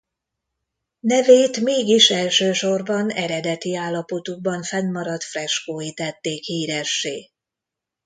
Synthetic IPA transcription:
nɛveːt̪meːɡiʃɛlʃøːʃo̞rbɒnɛɾɛd̪ɛt̪iaːlːɒpo̞t̪uɡ̚bɒɱfɛnːɒɾɒt̪frɛʃkoːjit̪ɛt̪ːeːkhiːɾɛʃːeː

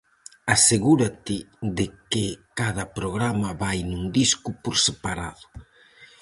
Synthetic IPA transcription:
aseɣuɾat̪ɪðɪkɪkaðɐpɾoɣ̞ɾamɐβajnuŋd̪iskʊpoɾsepaɾaðʊ

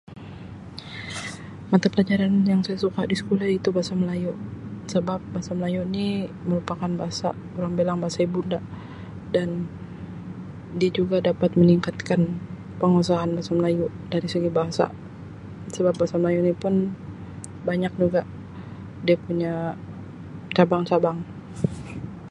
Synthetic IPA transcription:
mat̪apəlad͡ʒaɾanjaŋsajasukadisə̥kulait̪ubaasaməlajusəbap̚baɦasaməlajuniməɾupakanbaɦasa̰ | uɾaŋbelaŋbaɦasaibunda | dan | diad͡ʒuɡadapat̪̚məniŋkat̪̚kan | pəŋasaanbaasaməlajuʔdaɾisəɡibaɦasa̰ | səbap̚basaməlajuʔnipʊn | baɲak̚d͡ʒuɡaʔ | diapuɲa | t͡ʃabaŋt͡ʃabaŋ

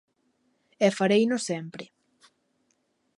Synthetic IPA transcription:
ɛfaɾejnosɛmpɾɪ

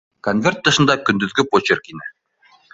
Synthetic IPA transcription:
konvʲert̪ːɤ̆ʃɤ̆nd̪ɑkɵ̆nd̪ɵ̆ðɡɵpot͡ɕerkinɘ

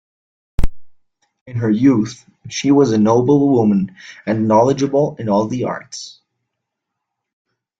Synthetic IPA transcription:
ɨ̃nə˞juθ | ʃiwʌzɨnoʊbl̩ˠwʊ̃mə̃nɨ̃nːɑlˠəd͡ʒɨbl̩ˠɨ̃nɔlˠðiɑ̰ɹts

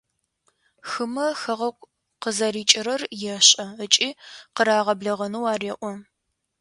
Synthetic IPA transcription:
xɨmɐxɐʁɐkʷʼ | qəzɐriːt͡ʃʼɪɾɐrjɛɕʼɐət͡ʃʼiːqəɾaːʁɐbɮɐʁɐnuwaːreːʔʷɔ

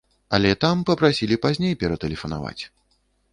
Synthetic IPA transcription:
ɐ̰lʲɛt̪ampɐpɾasʲilʲipazʲnʲejpʲɛɾɐt̪ɛlʲɛfɐna̰va̰t͡sʲ

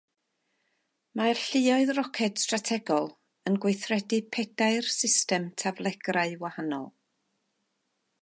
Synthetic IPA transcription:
marɬɪɔɨðrɔkʰɛd̥stratʰɛɡɔlˠ | ənɡwejθrɛdipʰɛdaɨrsɪstɛmtʰavlˠɛɡraɨwahanɔ̰lˠ

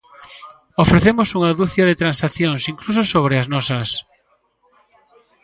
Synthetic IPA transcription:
ofɾeθemosuŋaðuθjɐðeɪt̪ɾansaθjoŋsiŋklusosoβɾɪaznɔsɐs

